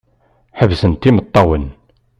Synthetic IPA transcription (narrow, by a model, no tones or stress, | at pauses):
ħəvsənt̪ːimət̪ˤːɑwən